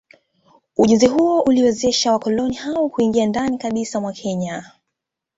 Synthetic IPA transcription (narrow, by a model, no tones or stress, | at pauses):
uʄɛnziɦuɔʔuliwɛzɛʃawakɔlɔnihawɔkuiŋɡiandanikaɓisamwakʰɛɲa